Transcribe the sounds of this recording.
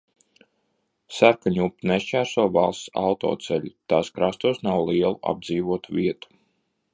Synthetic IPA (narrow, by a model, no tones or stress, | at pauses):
sæɾkaɲupːneʃt͡ʃæːɾsɔːvalˠst̪sa̰wt̪ɔ̰ːt̪sɛʎʲit̪aːskɾast̪uːsnawlˠiɛlˠuʔa̰b̚d̪ziːʋuɔt̪uvʲiɛt̪u̥